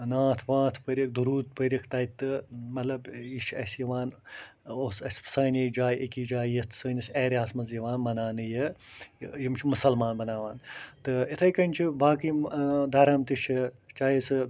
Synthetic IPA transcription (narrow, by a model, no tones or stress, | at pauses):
nãːt̪ʰʋãːt̪ʰpɐɾʲik̚d̪uɾuːt̪̚pəɾʲikʰt̪ɐjit̪ːɨmɐt̪lɐbiʃʰɐsjiʋaːn | osɐssɐːnʲeːd͡ʒaːjʔɐkiːd͡ʒaːjjɐt̪ʰsɐːnʲɐseːɾʲaːsmɐzjɐʋaːnmɐnaːnɨjɐ | jimt͡ʃʰimusɐlmaːnbɐnaːʋaːnt̪ɨit̪ʰɐjkɐnʲt͡ʃʰibaːkid̪ɐɾɐmt̪iʃʰi | t͡ʃaːjisɨ